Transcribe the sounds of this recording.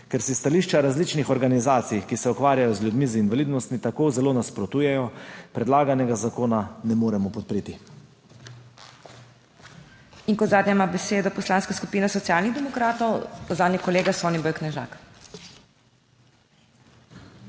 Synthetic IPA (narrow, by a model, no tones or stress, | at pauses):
kɛɾsist̪aliːʃt͡ʃaɾazlit͡ʃnixɔɾɡanizaːt̪sijkisɛukʋaːɾjajɔzljud̪mizinʋalid̪nɔst̪mit̪akoːzɛloːnaspɾɔt̪uːjɛjɔpɾɛd̪laːɡanɛɡazakoːnanɛmoːɾɛmɔpɔt̪̚pɾeːt̪i | iŋkɔzaːd̪ɲɛmabɛseːd̪ɔpɔslaːnskasku̥piːnasɔt̪sjaːlniɣd̪ɛmɔkɾaːt̪ɔwzaːd̪nɛkɔleːɡasɔnibɔjknɛʒa̰ːk